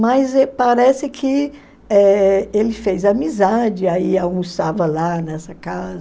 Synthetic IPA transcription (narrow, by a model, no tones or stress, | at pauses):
mɐjzɛpaɾɛsɪkʰɪ | ɛelɪfejzɐmizad͡ʒɪaiawmusavɐlanɛsɐkazɐ